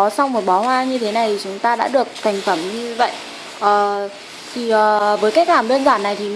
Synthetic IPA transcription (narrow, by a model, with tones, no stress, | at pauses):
ɔ˨˦sa˧wŋ͡mmo˨˩t̚ɓɔ˨˦hwaː˧ɲɨ˧t̪ʰe˨˦na˨˩jt̪ʰi˨˩t͡ɕʊ˨˦ŋ͡mt̪aː˧ɗa̰ː˧˥ɗɨ˨˩ək̚t̪ʰa˨˩jŋ̟fə˨˧˩mɲɨ˧və̰˧˨jʔ | ʔəː˨˩ | t̪ʰi˨˩ʔəː˨˩vəː˨˦jka˦˥k̚laː˨˩mɗəː˧nzwaː˧˩nːa˨˩jt̪ʰi˨˩